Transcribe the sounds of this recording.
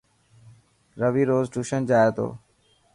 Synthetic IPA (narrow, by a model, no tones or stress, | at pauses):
ɾəʋiːɾoːzʈuːʃənd͡ʒaːeːt̪o̰ː